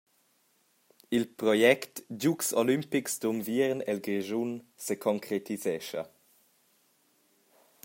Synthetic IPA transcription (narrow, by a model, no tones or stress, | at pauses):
ilpɾɔjɛktɟuksolympiksd̪umviɾnɛlɡɾeʒunsəkʰɔŋkʰɾet̪izɛʃɐ̰